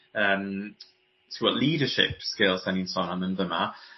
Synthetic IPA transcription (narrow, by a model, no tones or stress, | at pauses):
əm | tʰəwɔʔliːdəʃɪ̰pskeɪlˠsɛ̃nɪ̃nsɔ̃nãmə̃nðəmə̰